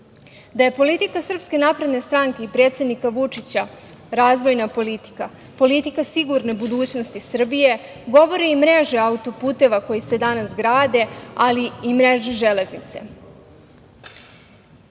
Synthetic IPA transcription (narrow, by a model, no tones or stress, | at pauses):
d̪aje̞po̞lit̪ikasr̩pske̞napɾed̪ne̞st̪ɾaːŋke̞ipɾeːt̪se̞d̪nikaʋut͡ʂit͡ɕa | ɾaːzʋo̞jnapo̞lit̪i̥ka | po̞lit̪ikasiɡuɾne̞bud̪uːt͡ɕnost̪isr̩bije̞ | ɡo̞ʋo̞ɾeimɾe̞ʒeaut̪o̞puːt̪e̞ʋako̞jise̞d̪anasɡɾaːd̪e̞aliimɾeʒeʒe̞le̞znit̪se̞̰